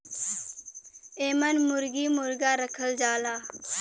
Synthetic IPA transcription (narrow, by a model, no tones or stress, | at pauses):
eːmənmʊɾɡiːmʊɾɡaːɾəkʰəld͡ʒaːlaː